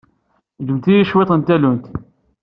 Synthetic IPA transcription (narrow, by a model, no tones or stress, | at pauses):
d͡ʒəmt̪ijiʃwet̪ˤənt̪ælunt̪